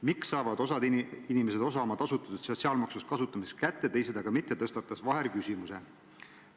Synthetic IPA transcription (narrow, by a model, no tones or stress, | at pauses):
miksɑːvɑd̪o̞sɑd̪iinimese̞d̪o̞s̬ɑmɑt̪ɑsut̪ːˑɑ̥t̪ud̪sot̪siɑːlmɑksuskɑsut̪ːˑɑmisst̪kæt̪ːˑe̞t̪e̞js̬ed̪ɑɡ̥ɑmit̪ːet̪ɤ̞st̪ɑt̪ːˑɑsvɑɦe̞ɾkysʲimuse̞